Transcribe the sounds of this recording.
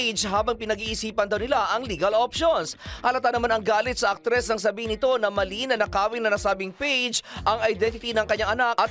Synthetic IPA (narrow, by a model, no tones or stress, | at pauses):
jd͡ʒhaːbɐŋpɪnɐɡiːʔɪsiːpɐnd̪ɐwnɪlaʔɐŋliːɡɐlopʃonsʔɐlɐt̪anɐmanɐŋɡaːlɪt̪̚sɐʔɐk̚t̪ɾɛsnɐŋs̬ɐbiːhɪnɪt̪o̞nɐmɐliːnɐnɐkaːwɪnɐnɐsaːbɪŋpejd͡ʒʔɐŋɐjd̪ɛnt̪ɪt̪inɐŋkɐɲaŋʔɐnak̚ʔɐt̪